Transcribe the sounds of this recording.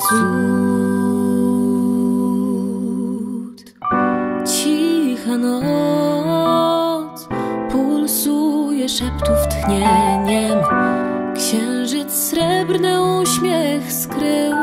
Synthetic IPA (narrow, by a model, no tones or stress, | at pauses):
su | t̪ | t͡ɕixanɔ | spulsujɛʂɛpt̪uft̪xɲɛɲɛm | kɕɛw̃ʐɘt̪ssɾɛbɾnɘuɕmʲjɛxskɾɘw